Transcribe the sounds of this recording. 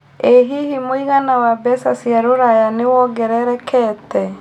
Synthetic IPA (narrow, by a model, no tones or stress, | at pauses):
eɦihimoiɣanawabɛsasjaɾoɾajanewɔɡɛɾɛɾɛkʰɛtɛ